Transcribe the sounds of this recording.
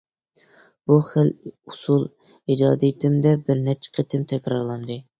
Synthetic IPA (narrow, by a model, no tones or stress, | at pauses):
b̥uχəlusulˠ | id͡ʒɑ̰ːd̪it̪ʰɪmd̪ɛbɪɾnɛt͡ʃʰːɪ̥qʰet̪ʰɪmt̪ʰɛkʲɾɑɾlˠɑnd̪ɨ